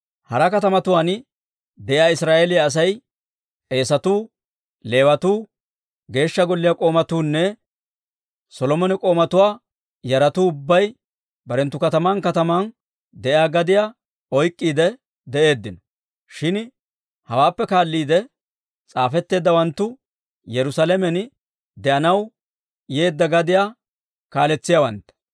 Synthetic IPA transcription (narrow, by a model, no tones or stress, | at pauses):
hɐɾɐkɐt̪ɐmɐt̪ʊwaːn | d̪ɛʔjjaːɪsɾaːʔeːlɪjaːs̬ɐj | e̞ːsɐt̪uː | le̞ːwɐt̪uː | ɡe̞ːʃːɐɡɔlːɪjakʼo̞ːmɐt̪uːnːɛ | sɔlɔmɔnɪkʼo̞ːmɐt̪ʊwaː | jɐɾɐt̪uːʊbːɐj | bɐɾɛnt̪ːʊkɐt̪ɐmaːnkɐt̪ɐmaːn | d̪ɛʔɪaːɡɐd̪ɪjaː | ɔjkʼːiːd̪ɛ | d̪ɛʔe̞ːd̪ːɪnɔ̥ | ʃɪn | hɐwaːpːɛkaːlːiːd̪ɛ | t͡sʼaːfɛt̪ːe̞ːd̪ːɐwɐnt̪ːʊ | jɛɾʊsalɛmɛn | d̪ɛʔɐnɐw | je̞ːd̪ːɐɡɐd̪ɪja | kaːlɛt͡sːɪjawɐnt̪ːɛ̥